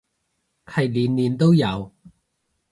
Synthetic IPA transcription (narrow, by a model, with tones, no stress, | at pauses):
kʰɐ˨˩jliː˨˥nliː˨˥nt̪o˥wjɐ˨˧w